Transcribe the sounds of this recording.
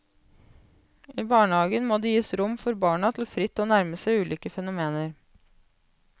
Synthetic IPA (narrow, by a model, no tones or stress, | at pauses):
ʔiːbɑːɳəhɑːɡənmoːd̪iːjiːsɾʊmfɔɾbɑːɳɑt̪ʰl̩fɾɪt̪ːoːnæɾməsæʉːliːkəfɛnʊmeːnəɾ